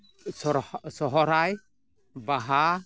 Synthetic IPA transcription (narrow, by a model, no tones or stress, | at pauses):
sɔsɔɦɔɾaj | baɦa